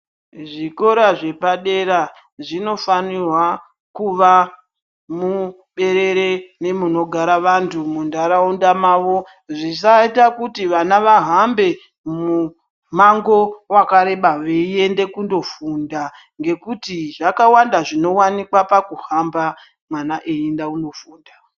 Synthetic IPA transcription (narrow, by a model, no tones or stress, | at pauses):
ʐiko̞ɾaʐe̞paɗe̞ɾa | ʐino̞fanirwa | kuʋa | mu | ɓe̞ɾe̞ɾe̞ne̞muno̞ɡʱaɾaʋantʰumundaɾaundamaːʋo̞ | ʐis̬aitakutiʋanaʋaɦambe̞ | mu | maŋɡo̞wakaɾe̞ɓaʋeie̞nde̞kundo̞funda | ŋɡe̞kutiʐakawandaʐino̞wanikwapakuɦamba | mwanaʔeindauno̞fuːnda